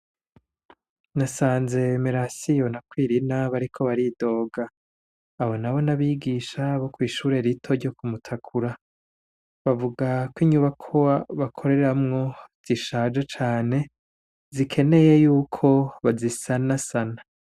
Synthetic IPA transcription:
nasaːnze̞meɾasijo̞nakwiːɾinaβaɾikʰo̞βaɾido̞ːɡaː | ho̞naβo̞naβiɡiʃaβokwiːʃuːɾe̞ɾitʰo̞ɾɟo̞kumutʰakʰuɾa | βavuɡakwiɲuβakʰoaβakʰo̞ɾe̞ɾamŋo̞z̥iʃaːd͡ʒet͡ʃaːne̞ | zikʰe̞ne̞je̞juːkʰo̞βazisanasana

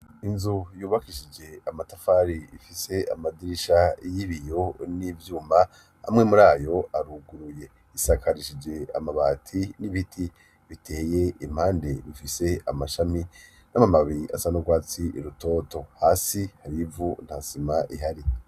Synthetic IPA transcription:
inzujuːβakiʃid͡ʒe̞amatafaːɾiifise̞a̰madiɾiʃajiβijo̞nivjuːma | a̰mŋe̞muɾaːjo̞aɾuɡuɾuje̞ | isakʰaɾiʃid͡ʒe̞a̰maβaːtʰiniβitʰi | βitʰe̞ːje̞im̥haːnde̞βifise̞amaʃami | namamaβiɾiʔa̰sanoɡwaːt͡siʔiɾuto̞ːto̞haːsihaɾivun̥hasimaʔiɦaɾi

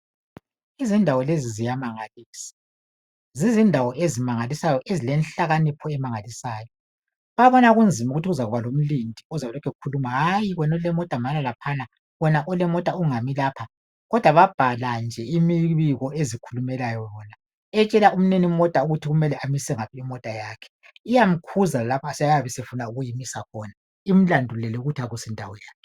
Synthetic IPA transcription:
izindʱawɔlezizijamaŋaliːsi̥ | zizindʱawɔʔezimaŋalisajɔʔezilɛnɬaɣanipʰɔɛmaŋalisaːjɔ | βaβɔnaɣund͡zʱimuɣutʰiɣuzaɣuβalom̩lindʱiɔzaɛlɔkʰɛukʰulumaɦajiɣɔnɔlɛmɔtʼamalalapʰana | wɔnaʔɔlɛmɔtʼauŋamilaːpʰa | ɣɔd̥ʱwaβab̥ʱaland͡ʒʱɛimiβiɣɔʔezikʰulumɛlajɔjɔna | ɛt͡ʃʼɛlaʔum̩nenimɔtʼauɣutʰiɣumɛlɛʔamisɛŋapʰiimɔtʼajaːkʰɛ̥ | ijam̩kʰuzalapʰasɛjjaβɛsefunauɣujimisakʰɔna | im̩landʱulɛlɛuɣutʰiaɣusindʱawɔjaːkɛ

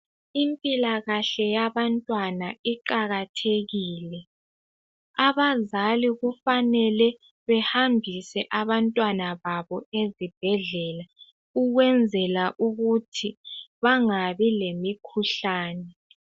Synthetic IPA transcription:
impʼilaɣaɬɛjaβantʼwanaiǃaɣatʰeɣiːlɛ | aβazaliɣufanɛlɛ | βɛhambʱisɛʔaβantʼwanaβaβɔezib̥ʱɛɮɛla | uɣwɛnd͡zʱɛlaʔuɣutʰiβaŋaβilemikʰuɬaːnɛ

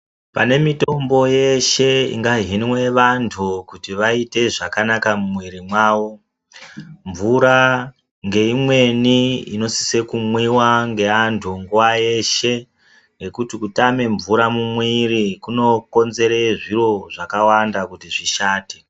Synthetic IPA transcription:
pane̞mito̞mbo̞je̞ʃe̞ḭŋɡaɦinwe̞ʋantʰukutiʋaite̞ʐakanakamumwiɾimwaːwo̞ | ɱvuɾa | ŋɡe̞imwe̞niḭno̞si̥se̞kumwiwaŋɡe̞antʰuŋɡuwaje̞ʃe | ŋɡe̞kutikutame̞ɱvuɾamumwiɾikuno̞ko̞nze̞ɾe̞ʐiro̞ʐakawandakutiʐiʃaːte

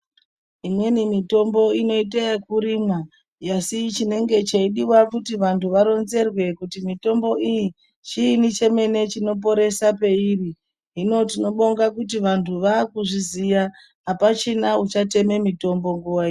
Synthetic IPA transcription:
imwe̞nimito̞mbo̞ino̞it̬eekuɾima | jasit͡ʃine̞ŋɡe̞t͡ʃaiɗiwakutiʋantʰuʋaɾo̞nze̞rwe̞kutimito̞mbo̞ʔiji | t͡ʃiːnit͡ʃe̞me̞ne̞t͡ʃino̞p̬o̞ɾe̞sape̞iri | ɦino̞tino̞ɓo̞ŋɡakut̬iʋantʰuʋaːkuʐizija | ɦapat͡ʃinaut͡ʃate̞me̞mito̞mbo̞ŋɡuwai

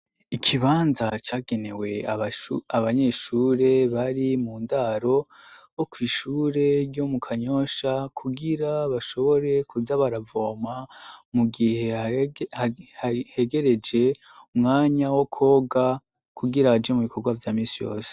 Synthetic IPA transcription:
ikʰiβaːnzat͡ʃaːɡe̞ne̞we̞ | aβaɲe̞ːʃuːɾe̞βaɾimuːndaɾo̞ | okwiːʃuːɾe̞jjo̞mukʰaɲo̞ʃakʰuɡiɾaβaʃo̞βo̞ɾe̞kuzaβaɾavo̞ːmamuɡihe̞hhahe̞ɡe̞ɾe̞d͡ʒe̞ | umŋaːɲawokʰo̞ːɡa | kʰuɡiɾahad͡ʒemuβikʰo̞ɡwavjaːmiːnsijo̞̰ːse̥

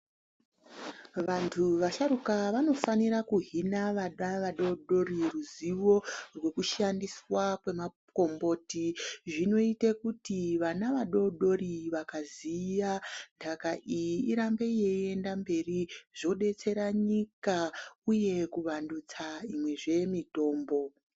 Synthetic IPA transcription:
ʋantʰuʋaʃaɾukaʋano̞faniɾakuɦinaʋaɗaʋaɗo̞ɗo̞ɾiruziʋo̞rwe̞kuʃandiswakwe̞ma | ko̞mbo̞ːtiʐino̞itekutiʋanaʋaɗo̞ɗo̞ɾiʋakazijandʰakaʔijiiɾambe̞ije̞e̞ndambe̞riʐ̥o̞ɗe̞t͡se̞ɾaɲikauje̞kuʋandut͡saimwe̞ʐe̞mito̞ːmbo̞

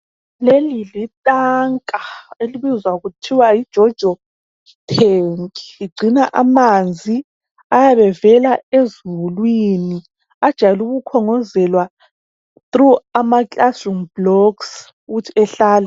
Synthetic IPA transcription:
lelilitʼaŋkʼaeliβizwaɣutʰiwajid̥ʒ̥ʱɔd̥ʒ̥ʱɔ | tʰeŋkʼi̥iɡ͡ǀʱinaʔamand͡zʱi | ajaβɛvɛlaezuulwini | ad̥ʒ̥ʱajluɣukʰɔŋɔzɛlwa | θruamakʼasuŋblɔks | uɣutʰiɛɬaːlɛ

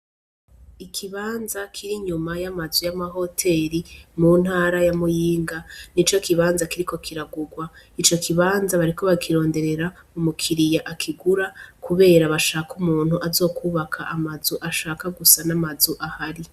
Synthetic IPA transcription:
ikʰiβaːnzakʰiɾiɲumajamazujamaɦo̞tʰe̞ɾimuːn̥haːɾajamujiːŋɡanit͡ʃo̞kiβaːnzakiɾiko̞kʰiɾaɡuɡwait͡ʃo̞kʰiβaːnzaβaɾiko̞βakʰiɾo̞ːnde̞ɾe̞ɾaumukʰiɾijaʔakʰiɡuɾakuβe̞ːɾaβaʃaːkumuːn̥huʔazo̞ːkʰuːβakʰaʔamazuʔaʃaːkaɡusanamazuʔahaɾi

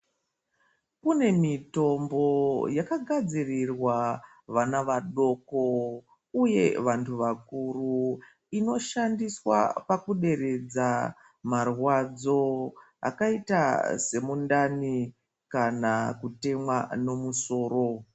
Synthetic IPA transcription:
kune̞mito̞mbo̞jakaɡʱad͡zirirwa | ʋanaʋaɗo̞ko | uje̞ʋantʰuʋakuru | ino̞ʃandiswa̰pakuɗe̞ɾe̞d͡za | marwad͡zo̞ | a̰kaita̰se̞mundani | kanakute̞mwano̞muso̞ːɾo̞

